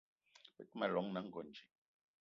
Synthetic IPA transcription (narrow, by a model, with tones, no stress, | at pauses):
ɛ˦kma˨lɔ˨˦ŋna˨˦ŋ̩˨ɡɔ˨nd͡ʒi˨